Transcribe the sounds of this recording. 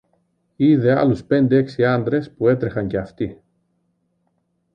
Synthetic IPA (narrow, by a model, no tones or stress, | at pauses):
iðe̞ɐ̰luspe̞nd̪e̞e̞ksiɐnd̪ɾe̞spue̞t̪ɾe̞xɐɲce̞ɐft̪i